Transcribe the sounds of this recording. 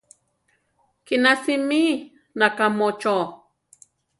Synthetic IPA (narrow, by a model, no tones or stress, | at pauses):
kinasimi | nakamot͡ʃo